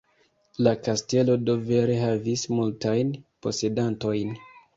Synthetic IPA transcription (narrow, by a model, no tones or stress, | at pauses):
lakaste̞lo̞do̞ve̞ɾe̞ɦavismultajnpo̞̰se̞danto̞jn